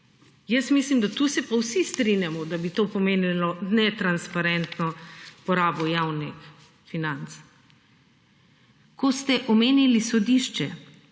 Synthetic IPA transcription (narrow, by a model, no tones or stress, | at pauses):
jəsmislimd̪at̪usɛpawsist̪ɾinjamɔd̪abit̪opɔmeːnilɔnɛt̪ɾanspaɾɛnt̪nɔpɔɾaːbɔjaːwnix | finant̪s | kost̪ɛʔɔmeːnilisɔd̪iʃt͡ʃɛ